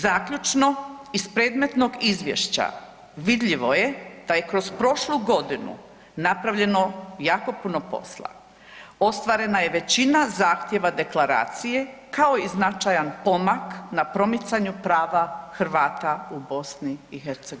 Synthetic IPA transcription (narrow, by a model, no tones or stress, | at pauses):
zaːkʎut͡ʃno̞ispɾeːd̪me̞t̪no̞ɡizʋjḛʃt͡ɕa̰ | ʋid̪ʎiʋo̞je̞d̪̥aje̞kɾo̞zpɾo̞ʃluɡo̞d̪inṵ | napɾaʋʎe̞no̞jaːko̞puno̞po̞̰slˠa̰ | o̞st̪ʋaːɾe̞naje̞ʋe̞t͡ɕinazaːxt̪jeʋad̪e̞klˠaɾa̰ːt̪sije̞kʰao̞iznat͡ʃajanpo̞maknapɾo̞mit̪saɲupɾaːʋaxɾ̩ʋaːt̪aubo̞sniixeɾt̪seɡo